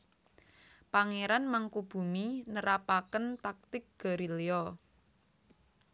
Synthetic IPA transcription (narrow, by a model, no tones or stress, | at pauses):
paŋeɾanmaŋkub̥ṳminəɾapakənt̪ak̚t̪ɪk̚ɡ̥a̤ɾiliɔ